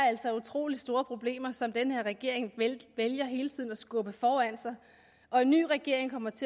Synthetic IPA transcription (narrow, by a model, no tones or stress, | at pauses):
æl̰sɒut͡sʰʁo̝̰ːlisd̥o̝ːɐpʰʁo̝b̥le̝̰ːmɐsɒ̽md̥enheɐʁɛɡ̥e̝ɐ̰e̝ŋʋeljɐɦe̝ːlət͡sʰið̰ˠn̩ɒ̽sɡ̥ɔ̽b̥əfɒːæn̰sɑ̈ɪ | ʔɒ̽e̝nːy̰ːʁɛɡ̥e̝ɐ̰e̝ŋkʰɒ̽m̰ɐt͡sʰe̝